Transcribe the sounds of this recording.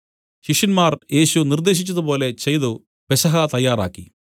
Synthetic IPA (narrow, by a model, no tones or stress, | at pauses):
ɕiʂɐnmaːrje̞ːɕunird̪e̞ːɕ̬it͡ɕːɐðupo̞ːle̞t͡ɕejðu | pesɐɦɐt̪ɐjːaːɾa̰ːkːi